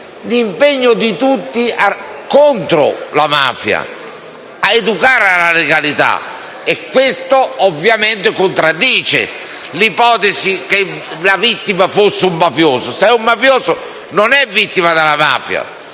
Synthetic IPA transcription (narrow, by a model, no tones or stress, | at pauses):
limpeɲːʊd̪it̪ut̪ːiakːont̪ɾo̰lama̰ːfja̰ | aed̪ukaːɾalaleɡalit̪a̰ | ɛkːwest̪oːvːjament̪ekont̪ɾad̪ːiːt͡ʃḛ | lipɔːt̪esikelavit̪ːimafosːeumːafjoːsʊsɛumːafjoːzʊ | nonɛvːit̪ːimad̪alama̰ːfja̰